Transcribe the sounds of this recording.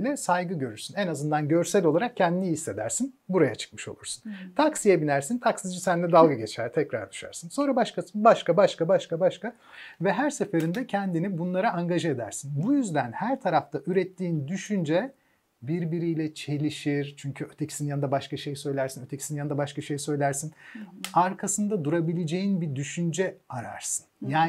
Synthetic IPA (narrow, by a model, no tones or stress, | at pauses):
lʲɛsajɡɯɟø̞ɾyɾsynɛnazɯnd̪anɟø̞ɾsælʲo̞lˠaɾak̚cʰːɛnd̪inihisːe̞d̪æ̰ɾsinbuɾajat͡ʃʰɯ̥k̚mɯ̥ʃo̞̰lˠuɾsunt̪ʰaksijabinæɾsint̪ʰaksid͡ʒisænlʲɛd̪alˠɡaɟet͡ʃʰæɾt̪ʰɛcɾa̰ɾd̪y̥ʃa̰ɾsɯnso̞nɾabaʃkabaʃkabaʃkabaʃkabaʃka | vɛɦæɾsefeɾind̪ɛcʰɛnd̪inibunlˠaɾaʔaŋɡaʒɯed̪æ̰ɾsinbujyzd̪ænhæɾt̪ʰaɾaft̪ʰaʔyɾɛt̪ʰːiːnd̪yʃynd͡ʒɛ | biɾbiɾijlʲɛt͡ʃʰe̞lʲiʃiɾt͡ʃʰyɲcʰyøt̪ʰecʰi̥sinjand̪abaʃkaʃe̞jsø̞jlʲæɾsinøt̪ʰecʰisinjand̪abaʃkaʃe̞jsø̞jlʲæɾsinaɾkʰasɯnd̪ad̪uɾabilʲed͡ʒejinbid̪yʃynd͡ʒɛaɾa̰ɾsɯ̥njaːn